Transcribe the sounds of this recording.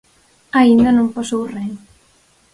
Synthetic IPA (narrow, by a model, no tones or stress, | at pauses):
aind̪ɐnõmposowreŋ